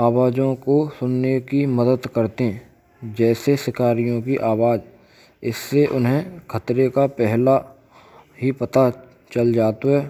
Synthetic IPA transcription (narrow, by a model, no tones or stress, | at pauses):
aːʋaːd͡ʒõkosʊnːekimɐd̪əd̪kɐɾt̪eɛ̃ | d͡ʒɛːsesɪkaːɾijõkiʔaːʋaːd͡ʒ | ɪsːeʔʊnɦẽkʰɐt̪ɾekapɛɦla | ɦipɐt̪a | t͡ʃɐld͡ʒaːt̪oɦɛː